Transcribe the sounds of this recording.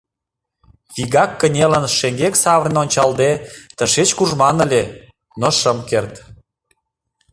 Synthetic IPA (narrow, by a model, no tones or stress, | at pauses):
βiɣɑkːənʲelənʃeŋɡeksɑβɾnonʲt͡ɕɑld̪et̪ə̆ʃet͡ɕkuʒmɑnə̆lʲe | noʃəmkert̪